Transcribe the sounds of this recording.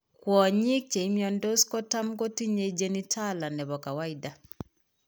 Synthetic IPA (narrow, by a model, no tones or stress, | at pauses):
kwɔɲik̚t͡ʃɛimiɔndɔskɔtam̩ɡɔtiɲɛid͡ʒɛnitʰalanɛβɔkawaida